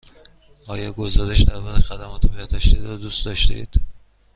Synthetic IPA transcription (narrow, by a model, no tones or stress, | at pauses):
ɒːjɒːɡo̞zɒːɾeʃd̪æɾbɒːɾexæd̪æmɒːt̪ʰebt̪d̪ɒʃt̪ed̪ɾɒd̪uːst̪d̪ɒʃt̪ḛid̪̥